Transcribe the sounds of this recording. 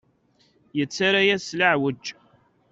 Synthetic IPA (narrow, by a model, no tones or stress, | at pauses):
jət͡sːaɾajæsləʕwəd͡ʒ